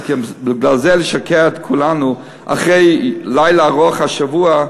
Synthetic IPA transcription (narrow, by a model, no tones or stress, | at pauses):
kbɪɡlalzeleʃakeaet̪kʰulanu | ʔa̰χʁejlajlaːʁoaχhaʃavua